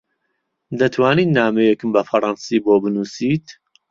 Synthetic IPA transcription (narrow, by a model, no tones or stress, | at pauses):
d̪ɐt̪ʰwaːniːt̪naːmɛjɛkɨmbɐfɐɾˤɑnsiːboːbɨnuːsiːt̪